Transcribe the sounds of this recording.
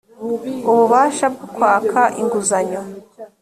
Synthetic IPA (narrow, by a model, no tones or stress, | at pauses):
uβuβaːʃab̚ɡukwaːkʰaʔiŋɡuzaɲo